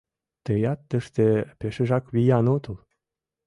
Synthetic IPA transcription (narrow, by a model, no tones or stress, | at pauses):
t̪ejɑt̪ːə̆ʃt̪epeʃĕʒɑkβijɑnot̪əl